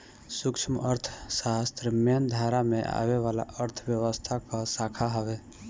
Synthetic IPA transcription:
sukt͡ʃʰəməɾt̪ʰsast̪ɾəmend̪ʱaɾameʔa̰βeʋala̰ʔəɾt̪ʰəbjəwəst̪ʰakɔsakʰaɦəbe

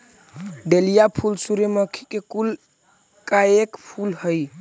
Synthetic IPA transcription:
ɖelijapʰulsuɾeməkʰi̥kekul | kaekpʰulhəj

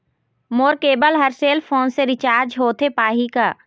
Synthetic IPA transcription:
moːɾkeːbəlɦəɾseːlpʰoːnseɾɪt͡ʃaːɾd͡ʒɦoːt̪ʰepaːɦikaː

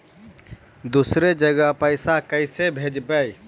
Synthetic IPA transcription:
d̪usɾed͡ʒəɡəɦpəɪsakəɪsebʱed͡ʒbəj

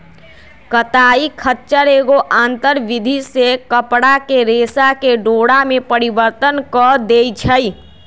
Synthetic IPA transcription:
kət̪aikʰətːt͡ʃəɾeɡoʔant̪əɾbid̪ʱisekəpɽakeɾesakeɖoɽamepəɾibəɾt̪ənkɔd̪ejt͡ʃʰəj

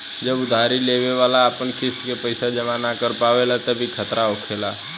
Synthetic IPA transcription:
d͡ʒəbʊd̪ʱaːɾileːʋeʋaːlaːpənkɪst̪kepəɪsad͡ʒəmanakəɾpaːʋelat̪əbʱikʰət̪ɾaoːkʰelaː

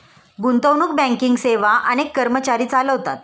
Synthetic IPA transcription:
ɡunt̪əwnuːk̚bɛ̃ŋkiŋɡseʋaʔənekːəɾmət͡ɕaɾiːt͡saləɦot̪at̪̚

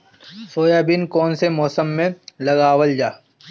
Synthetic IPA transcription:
soːjaːbɪnkɔːnsemɔːsəmːẽlɐɡaːwəld͡ʒaː

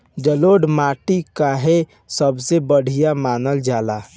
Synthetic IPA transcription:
d͡ʒəloːɖmaːʈikaɦe | səbsebəɽ̤ijamaːnəld͡ʒaːla

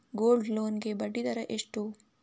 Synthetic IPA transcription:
ɡoːlɖloːnkebɐɖit̪ɐɾɐʔɪʂʈuː

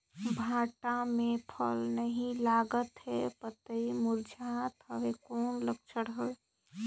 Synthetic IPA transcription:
bʱaʈamẽpʰə̰lnəɦĩlaɡət̪ɦɛpət̪əimuɾd͡ʒat̪ɦəʋekɔːnlək̚t͡ʃʰəɽɦoe

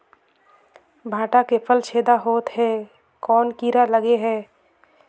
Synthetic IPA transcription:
bʱaːʈakepʰəlt͡ʃʰeːd̪aɦoːt̪ɦɛː | kɔːnkiːɾaləɡeɦɛː

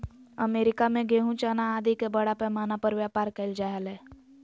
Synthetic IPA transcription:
ə̰meːɾɪkamẽɡeːɦũt͡ʃaːnaːd̪ikebəɽapɛmaːnapəɾʋjaːpaːɾkəɪld͡ʒaːɦəlɛː

